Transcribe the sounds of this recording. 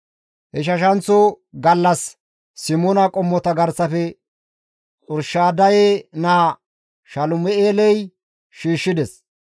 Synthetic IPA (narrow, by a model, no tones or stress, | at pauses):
hɛʃ̬ɐʃ̬ɐnt͡sːo | ɡɐlːɐsː | ɪmonɐkʼɔmːɔt̪ɐɡɐɾsɐfɛ | t͡sʼʊɾʃaːd̪ɐjeːnaː | ʃɐlʊmɛeːlɛj | ʃiːʃːɪd̪ɛs